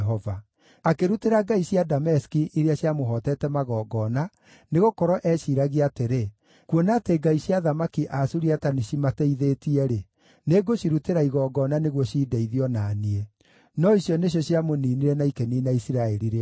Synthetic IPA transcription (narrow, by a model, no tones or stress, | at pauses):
ɦɔva | akeɾuteɾaɡaisjadamɛskiʔiɾeaɕjamoɦɔtɛtɛmaɣɔːɡɔːna | neɣokɔɾɔʔɛʃiɾaɣiateɾe | kwɔnateɡaiɕjaðamakiʔasuɾiataneʃimateiðetiɛɾe | neɡoɕiɾuteɾaiɣɔːɡɔnaneɣwɔɕiːdɛiðiɔnaːniɛ | nɔisjɔneɕ̬jɔɕiamoniːniɾɛnaikeninaisiɾaɛɾiɾe